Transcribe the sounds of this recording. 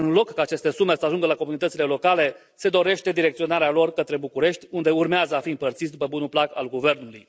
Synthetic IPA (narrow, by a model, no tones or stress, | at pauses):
ɨnlo̞kːaːt͡ʃe̞st̪e̞sume̞səaʒuŋɡəlako̞munit̪ət̪sile̞lo̞kale̞ | se̞d̪o̞ɾe̞ʃt̪e̞d̪iɾekt̪sio̞naɾealo̞rkət̪ɾe̞bukuɾe̞ʃt̪ʲund̪e̞urmeazəafiɨmpərt̪sit̪ʲd̪upəbunuplaka̰lɡuve̞rnuluj